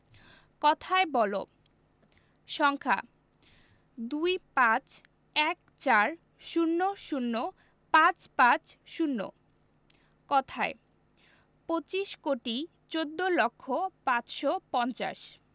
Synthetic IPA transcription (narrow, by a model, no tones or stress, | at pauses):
kɔt̪ʰaebɔlo̰ | ʃɔŋkʰa̰ | d̪ujpãt͡ɕ | ɛk | t͡ɕaɾ | ʃunːoʃunːo | pãt͡ɕpãt͡ɕʃunːo̰ | kɔt̪ʰae | pot͡ɕiʃkoʈi | t͡ɕod̪ːolokʰːopãt͡ɕʃopɔnt͡ɕa̰ʃ